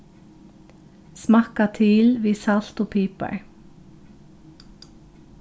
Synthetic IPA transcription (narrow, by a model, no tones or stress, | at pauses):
smɑkat̪ʰɪlʋiːsɑl̥t̪oːpʰiːpɑ̰ɹ